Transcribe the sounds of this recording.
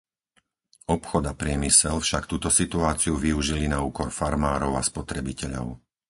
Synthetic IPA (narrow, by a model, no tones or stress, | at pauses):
ɔpxɔd̪apɾɪɛmisɛlfʃakt̪uːt̪ɔsit̪uaːt͡siuʋiuʒilinauːkɔɾfaɾmaːɾɔʊaspɔt̪ɾɛbicɛʎɔ̰ʊ